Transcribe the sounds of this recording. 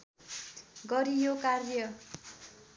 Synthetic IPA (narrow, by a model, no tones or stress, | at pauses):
ɡʌɾijokarjʌ